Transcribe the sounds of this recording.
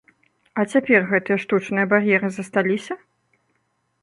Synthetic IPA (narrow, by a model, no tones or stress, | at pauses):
ɐt͡sʲapʲɛrɣɛt̪ɨjɐʂt̪ut͡ʂnɨjɐbarjɛɾɨzɐst̪alʲisʲɐ